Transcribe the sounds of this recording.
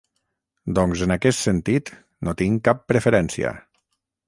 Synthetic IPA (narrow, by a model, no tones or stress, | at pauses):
d̪ɔŋzənakɛst̪sənt̪it̪ | nʔot̪iŋkapːɾəfəɾɛnsiə̰